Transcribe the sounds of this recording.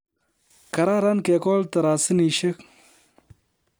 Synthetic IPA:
kɐ˨ɾa˦ɾa˦nke˨ko˦lt̪ɐ˨ɾaːsi˦ni˨ʃe˦k

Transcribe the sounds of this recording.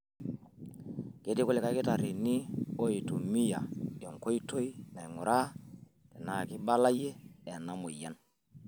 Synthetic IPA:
ke˨˦di˦kle˨ka˨jki˦ta˨ɾi˨ni˦o˦i˨tu˨mi˦ja̰˨jo˨ŋko˦jto˦ji˦na˨jŋu˨ɾa˦ | tɛ˨na˨ki˦ba˦la˦je˦e˨nːa˦mo˨jɛ˦n

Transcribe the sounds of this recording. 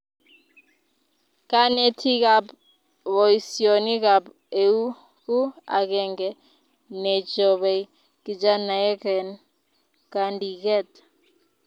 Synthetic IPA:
ka˦nɛ˦tʰi˦ka˨b | βɔ˨i˨sio˨ni˦ka˨b | e˨u˦ | ku˦a̰˨kɛ˦˨ŋɡɛ | nɛ˨d͡ʒɔ˨βɛ˨i˦ | ki˨d͡ʒa˦na˨ɛ˦kɛ˨n | ka˨ndi˨kɛ˦˨t

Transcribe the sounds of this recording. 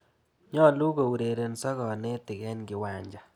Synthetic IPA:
ɲɔ˦˨lu˦ɡo˨u˨ɾe˨ɾe˨n˨sɔ˦ɡɔ˨nɪ˦tɪ˨ɡɛ˦nɡɪ˦wa˨ɲd͡ʒa˨

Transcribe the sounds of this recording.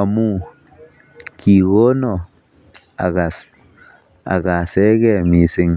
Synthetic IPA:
a˨mu˦ | kʰi˨ɣo˦no˨ | a̰˨ɣa˨s | a̰˨ɣa˨se˦ɣɛ˦˨mi˨sɪ˦ŋ

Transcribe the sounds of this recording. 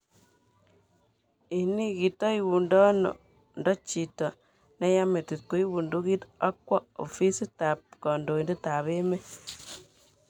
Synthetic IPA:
i˨ni˦ki˨tɔ˦i˨bu˨ndɔ˦no̰˨ | ndɔ˦t͡ʃi˨tɔ˨ | nɛ˦ja˦me˨ti˨t̚ko˨i˦bu˨ndu˦ki˦ta˦kwɔ˦o̰˨fi˦si˦ta˨p̚kɔ˨ndo˨i˨nde˦ta˨βe˦me˦

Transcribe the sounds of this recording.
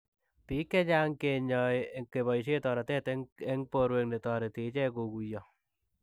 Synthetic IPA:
piː˦kːɛ˦d͡ʒa˦ŋke˨ɲɔ˨jke˨βɔ˨i˨ʃ̬e˦tɔː˨ɾa˨tɛ˦tɛ˦ŋpoɾwe˨ŋne˨tɔ˨ɾe˨te˨˦t͡ʃɛ˦ko˨ku˨jɔ˨

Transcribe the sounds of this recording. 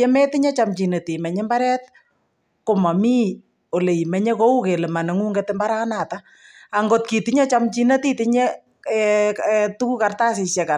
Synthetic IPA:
ɛ˦mɛ˦ti˦ɲe˦t͡ʃa˨mt͡ʃi˨ne˨ti˨mɛ˨ɲɛ˦mba˦ɾɛ˦t̚ | ko˨ma˨miː˦ | o˨le˨i˨mɛ˦ɲe˦ko˦u˦ke˨le˨ma˨ne˨˦ŋu˦ŋɡe˦tɪ˦mba˦ɾa˦na˨ta | a˨ŋɡo˦t̚ki˨ti˦ɲɛ˦t͡ʃa˦mt͡ʃi˦ne˦ti˦ti˦ɲe˦ | tu˦ku˦ka˨rta˦si˨sjɛ˨ka˨

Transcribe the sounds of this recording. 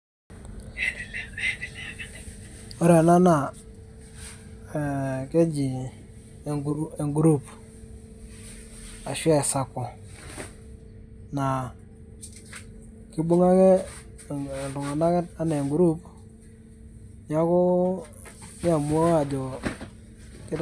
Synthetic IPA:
o˦ɾɛ˨na˦na˨ | ke˦d͡ʒi˨˦ | e˨ŋɡu˨ɾu˦p | a˨ʃwa˦ɪ˨sa˨kɔ˨ | na˨ | kɪ˦ɓʊ˦ŋa˦kɛ˦˨ | lʊ˨ŋa˨na˦kɛ˦a˦ne˨ŋɡɾu˦p | ja˦kʊ˦ | nɪ˦a˨m˦o˦a˨d͡ʒɔ˨ | kɪ˦

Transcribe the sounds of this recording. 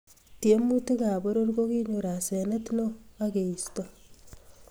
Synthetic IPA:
tje˦mu˦te˦ka˨bo˦ɾo˦rko˦ki˦ɲu˨ɾa˨sɛ˨ne˦tno˦a˦ke˨i˨sto

